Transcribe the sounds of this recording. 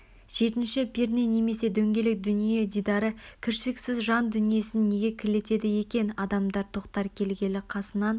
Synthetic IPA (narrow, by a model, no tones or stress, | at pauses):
ʒ̥e̞t̪ɪnʃɪbeɾnene̞me̞se̞d̪ɵŋɡʲe̞lɪk̚d̪ʏnije̞d̪ijd̪ɑɾəkʲʰɪɾʃɪɪksɪzʒɑnd̪ʏnije̞sɪnːe̞ɡʲe̞kʲʰɪle̞t̪e̞d̪ɪje̞kʲe̞nɑd̪ɑmd̪ɑɾt̪ʰo̞qt̪ɑɾkʲʰe̞lɡʲe̞lɪqʰɑsənɑn